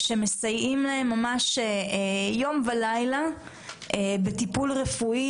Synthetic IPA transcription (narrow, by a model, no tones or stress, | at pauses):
ʃe̞me̞sajimlaemːamaʃejo̞mvalajla | ebet̪ipulʁefui